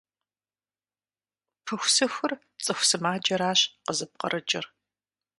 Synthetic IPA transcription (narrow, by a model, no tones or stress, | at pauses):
pʰɨxʷsɨxʷʊr | t͡sʼɨxʷsɨmaːd͡ʒɐɾaːɕqəzɨp̚qɐ̰rʔɐd͡ʒʼɪr